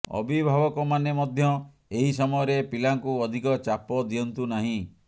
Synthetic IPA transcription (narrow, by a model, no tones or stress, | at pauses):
ɔ̰bʱibʱabɔkɔmanemɔd̪ʱjɔ | eɦisɔmɔjɔɾepilaŋkuɔd̪ʱikɔt͡ʃapɔd̪iɔnt̪unaɦĩ